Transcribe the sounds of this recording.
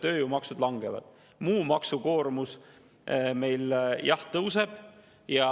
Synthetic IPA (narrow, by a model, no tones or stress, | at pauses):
t̪ø̞ːjumɑksud̪̥lɑŋɡ̥evɑ̰d̪̥ | muːmɑksuko̞ːɾmus | me̞jljɑht̪ɤwse̞b̥ | jɑ